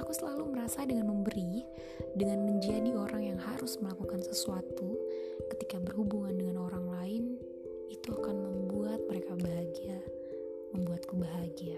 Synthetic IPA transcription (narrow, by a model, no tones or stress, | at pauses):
akusəlaluməɾasadəŋanməmbəɾi | dəŋanməɲd͡ʒadioɾaŋjaŋhaɾʊsməlakukansəsuat̪ukə̥t̪ikabərhubuŋandəŋanoɾaŋlaɪn | it̪uakanməmbuat̪̚məɾekabaɦaɡia | məmbuat̪̚kubaɦaɡia